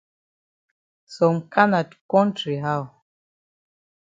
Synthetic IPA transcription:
sɔ˨mka˦na˨tkɔ̃˦ntɾi˨ɦa˦w

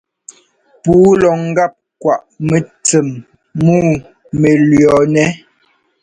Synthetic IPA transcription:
puː˨˦lɔ˨ŋ̩˦ɡa˦˨p̚kwa˨ʔme˨t͡se˨mː | uː˦˨ | me˨lɥjɔ˨nɛ˦

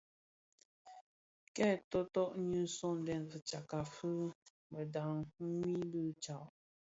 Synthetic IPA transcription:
kɛ˦˨tɔ˦tɔ˦ʔɲu˦sɔ˦˨n˨dɛ˨nvə˨t͡ʃa˨ka˨fɨ˦ | mə˨da˨ŋ̩˦ŋi˦bɨ˦t͡ʃa˨ʔ

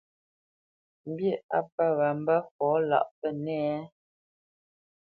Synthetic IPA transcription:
m̩˦bje˦˨a˦pə˦ɣa˨m̩˦bə˦fɔ˨˦la̰˦˨ʔpə˦nɛ˦

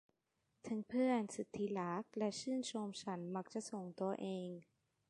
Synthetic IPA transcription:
t̪ʰɯ˨˦ŋpʰɯ˥˩ənsi˨˩t̪ʰːiː˦˥laː˦˥k̚lɛ˦˥t͡ɕʰɯː˥˩nt͡ɕʰo˧mt͡ɕʰa˦˥nma˧˥k̚t͡ɕa˨˩so˨˩ŋt̪u˧ɐʔeː˧ŋ

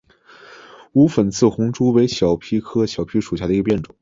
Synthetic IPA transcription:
u˧˥fə˨˩nt͡sʰɹ̩˥˩xʊ˧˥ŋʈ͡ʂu˥we˧˥ɪɕjɑ˨˩ʊpʰi˥kʰɤ˥ɕjɑ˨˩ʊpʰi˥ʂu˨˩ɕja˥˩d̪ə˩i˧˥ə˧pjɛ˥˩nʈ͡ʂʊ˨˩˦ŋ

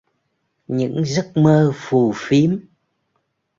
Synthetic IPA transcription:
ɲɨ̰˧˥ŋzə˦˥t̚məː˧fu˨˩fi˨˦əm

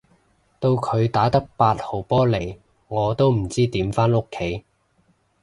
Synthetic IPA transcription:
t̪o˧wkʰɵ˨˧ɥt̪aː˨˥t̪ɐ˥k̚paː˧t̚ho˨˩wpɔː˥le˨˩j | ŋɔː˨˧t̪o˥wm̩˨˩t͡siː˥t̪iː˨˥mfaː˥no˥kʰːe˨˥j

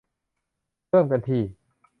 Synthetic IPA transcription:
ɤː˥˩˨mka˧nt̪ʰiː˧˩

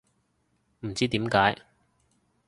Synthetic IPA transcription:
m̩˨˩t͡siː˥t̪iː˨˥mkaː˨˥j

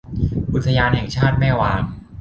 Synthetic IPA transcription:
ʔu˨˩t̪ʰːa˧jaː˧nhɛ˨˩ŋt͡ɕʰaː˥˩t̪̚ma˥˩waː˧ŋ

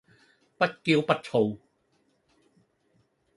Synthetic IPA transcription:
pa˦˥t̪̚ki˧wpa˦˥t̚t͡ɕʰo˨˩w

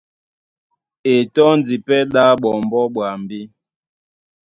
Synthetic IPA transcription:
e˨tɔ˦n˨di˨pɛ˦ɗa˦ɓɔ˨mbɔ˦ɓwa˨mbi˦

